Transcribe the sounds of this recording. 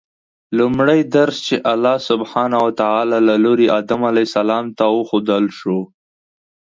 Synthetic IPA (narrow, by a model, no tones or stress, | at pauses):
lʊmɽajd̪aɾst͡ʃeʔalːɑsʊbhɑnawat̪aʕalɑlaloɾiʔɑd̪amalajsalɑmt̪awəxod̪əlʃo